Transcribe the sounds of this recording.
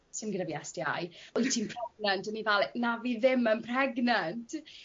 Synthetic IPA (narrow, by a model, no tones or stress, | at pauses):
sɨnɡənaviɛstia̰jɔjtʰimpʰrɛɡ̚nantənivalˠnaviːðɪmənpʰrɛɡnant